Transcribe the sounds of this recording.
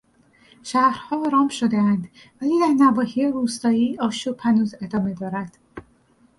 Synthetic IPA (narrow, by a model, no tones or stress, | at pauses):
ʃæhɾhɒːɾɒːmʃod̪eænd̪væliːd̪æɾnæbɒːhijeɾuːst̪ɒːiːɒːʃupʰænuːze̞d̪ɒːme̞d̪ɒːɾænd̪̥